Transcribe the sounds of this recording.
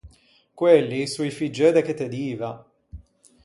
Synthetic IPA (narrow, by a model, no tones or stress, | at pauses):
kwelːisujfid͡ʒød̪ɛket̪ːed̪iːva